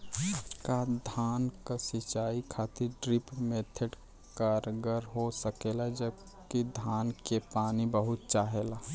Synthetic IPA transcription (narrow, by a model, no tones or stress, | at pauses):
kad̪ʱaːnkasɪt͡ʃaːikʰaːt̪ʰiɖɾɪpmeːt̪ʰəɖ | kəɾɡəɾɦosəkeːlad͡ʒəb | kid̪ʱaːnkepaːnibəɦʊt̪̚t͡ʃaːɦelaː